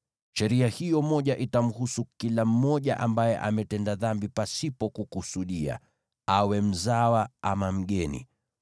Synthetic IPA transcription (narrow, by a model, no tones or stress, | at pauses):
ʃɛɾiahijɔmɔʄaʔitam̩husukilam̩mɔʄaʔambajɛʔa̰mɛtɛndaðambipasipɔkukusuɗia̰ | awɛm̩zawaamam̩ɠɛnḭ